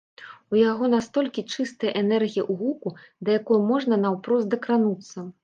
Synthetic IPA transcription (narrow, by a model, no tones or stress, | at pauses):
ujaɣɔnast̪ɔlʲkʲit͡ʂɨst̪ɐjɐʔɛnɛrɣʲijiʔuɣukud̪ɐjakɔjumɔʐnɐnɐwpɾɔzd̪ɐkɾanut̪sːɐ